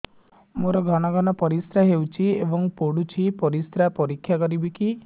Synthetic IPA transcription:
moɾɔɡʱɔɽ̃ɔɡɔñɔpɔɾist̪ɾaɦewt͡ʃʰiebɔŋpoɽut͡ʃʰipɔɾist̪ɾapɔɾikʰːjakɔɾibiki

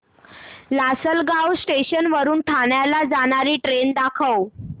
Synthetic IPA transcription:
lasəlɡawsʈeɕənʋəɾuːnʈʰaɳjalad͡zaɽ̃aɾiːʈɾend̪akʰəw

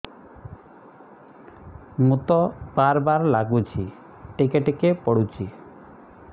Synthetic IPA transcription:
mut̪ɔbaɾbaɾlaɡut͡ʃʰi | ʈikeʈekepɔɽut͡ʃʰi

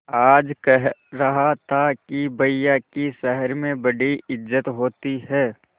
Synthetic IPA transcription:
aːd͡ʒkɛɦɾɐɦat̪ʰakibɐjːakiʃɛɦəɾmẽbɐɽiɪd͡ʒːət̪ɦoːt̪iɦɛː

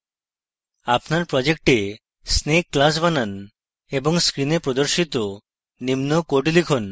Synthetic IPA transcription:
apnaɾpɾɔd͡ʑek̚ʈe | snekːlas̬banan | eboŋskɾinepɾod̪oɾʃit̪o | nimnokoʈilikʰon

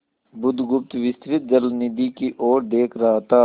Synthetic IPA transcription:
bʊd̪ɡʊp̚t̪ʋɪst̪ɾɪt̪̚d͡ʒɐllnid̪ikiʔoːɾd̪eːkʰɾɐɦat̪aː

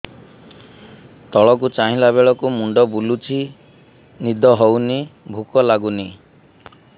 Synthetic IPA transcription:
t̪ɔɭɔk̬ut͡ʃaɦĩlaβeɭɔkumuɳɖɔbulut͡ʃʰi | nid̪ʱɔɦownibʱukɔlaɡuni

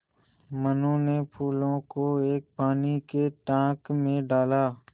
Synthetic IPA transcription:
mənõnepʰuːlõkoeːk̚paːnikeʈãːkmẽɖaːlaː

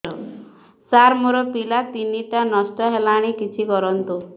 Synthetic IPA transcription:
ɔ | saɾmuɾɔpilat̪inːiʈ̪anɔsʈɔɦɛlaɽ̃ikit̪ʰikɔɾɔnt̪u

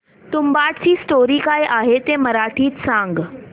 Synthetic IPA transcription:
t̪umbaʈt͡ɕiːsʈoɾiːkajʔaɦet̪eməɾaʈʰiːt̪sãŋɡ

